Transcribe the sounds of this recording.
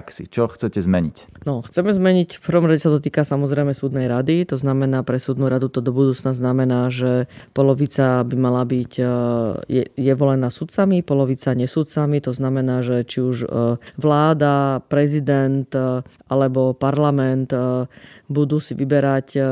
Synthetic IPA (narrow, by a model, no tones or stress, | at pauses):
ksḭt͡ʃɔxt͡sɛcɛzmɛɲic | nɔxt͡sɛmɛzmɛɲicfpər̩ʋɔmɾaɟɛsad̪ɔt̪̬iːkasamɔzɾɛjmɛsuːd̪nɛjɾad̪it̪ɔznamɛnaːpɾɛsuːd̪nuɾad̪ut̪ɔd̪ɔbud̪uːt͡snaznamɛnaːʒɛpɔlɔʋit͡sabimalabic | jɛjɛʋɔlɛnaːsut̪t͡samipɔlɔʋit͡saɲɛsuːt̪t͡samit̪ɔznamɛnaːʒɛt͡ʃiuʒʋlaːd̪apɾɛzid̪ɛnt̪ | alɛbɔpaɾlamɛnt̪ | bud̪uːsiʋibɛɾac